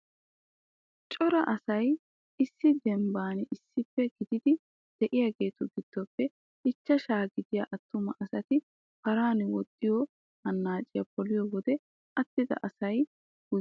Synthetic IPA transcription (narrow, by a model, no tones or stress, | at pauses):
t͡ʃʼɔɾɐʔɐsɐj | ɪsːɪd̪ɛmbaːnɛʔɪsːɪpːɛɡɪd̪ɪd̪ɪ | d̪̥ɛʔɪjaɡe̞ːt̪ʊɡɪd̪̥ːɔpːɛ | ɪt͡ʃːɐʃaːɡɪd̪ɪjɐ̰ʔɐt̪ːʊmɐʔɐsɐt̪ɪ | pɐɾaːnɪwɔt̪ʼːɪjɔ | hɐnːaːt͡ʃʼɪjɐpɔlɪjɔwɔd̪ɛ | ʔɐt̪ːɪd̪ɐ̰ʔɐsɐj | ɡʊ